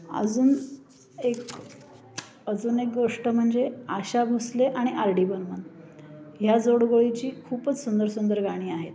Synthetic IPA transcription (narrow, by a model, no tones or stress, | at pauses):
ə̰d͡zuːn | ek | əd͡zuːnek̚ɡoʂʈəm̤əɳd͡zeaɕabʱusleʔaɽ̃iʔaɾɖiːbənmən | ɦjad͡zoɽɡoɭit͡ɕiːkʰuːpət͡ssund̪əɾsund̪əɾɡaɽ̃iːaɦet̪